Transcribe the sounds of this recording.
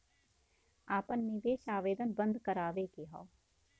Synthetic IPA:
aːpənːɪʋeːʃaːʋeːd̪ənbənd̪kəɾaːʋeːkeɦa̰ː

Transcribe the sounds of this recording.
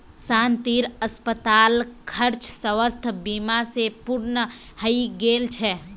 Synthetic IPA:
saːnt̪iːɾəspət̪aːlkʰəɾt͡ʃʰsəʋəst̪ʰbiːmasepuɾnə | həiɡeːlt͡ʃʰɛ

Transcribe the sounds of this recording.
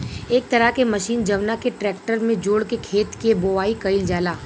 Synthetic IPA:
eːk̚t̪ɐɾəɦkemɐʃiːnd͡ʒɐʋnakeʈɾɛːk̚ʈəɾmẽd͡ʒoːɽkekʰeːt̪keboʋaːikɐɪld͡ʒaːlaː

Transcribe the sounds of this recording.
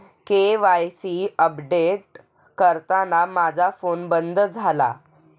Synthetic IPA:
keʋajsiəpɖeʈ̚ | kəɾt̪anamad͡zʱafonbənd̪ʱəd͡zʱala̰

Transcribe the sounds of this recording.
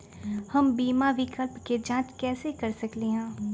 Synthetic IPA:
hɐmbiːmaʋɪkəlpked͡ʒãːt͡ʃkɛːsekɐɾsɐkleɦɛ̃ː

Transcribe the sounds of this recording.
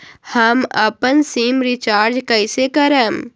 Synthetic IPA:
hɐmɐpənsiːmɾit͡ʃaːɾd͡ʒkɐjsekɐɾəm

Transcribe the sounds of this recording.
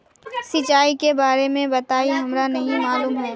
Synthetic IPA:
sɪt͡ʃaːikebaːɾemẽbɐt̪aːiɦɐmɾanɐɦĩmaːluːmɦoː

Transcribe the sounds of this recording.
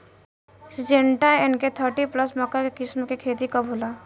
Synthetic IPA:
sɪd͡ʒẽɳʈaɪnket̪ʰəɾʈipləsmɔkakekɪsmkekʰeːt̪ikabʱoːla

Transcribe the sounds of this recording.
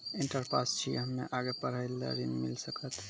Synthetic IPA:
iɳʈəɾpʰast͡ʃʰḭɦəmːḛʔaɡepəɾəjlːə̰ɾinmḭlsəkət̪

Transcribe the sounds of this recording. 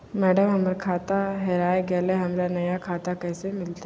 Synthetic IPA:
mɛːɖəmɦɐməɾkʰaːt̪aɦɛɾaːeɡɛːleɦɐmɾanɐjakʰaːt̪akɛːsemɪlt̪a

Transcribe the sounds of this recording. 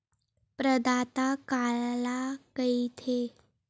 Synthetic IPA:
pɾəd̪at̪akaɭlakəit̪ʰe

